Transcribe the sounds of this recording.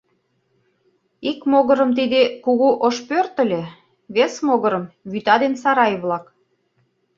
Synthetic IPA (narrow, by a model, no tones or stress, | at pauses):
ikmoɣə̆ɾə̆mt̪id̪ekuɣuʔoʃpørt̪ə̆lʲe | βesmoɣɤ̆ɾə̆mβyt̪ɑd̪ensɑɾɑjevlɑk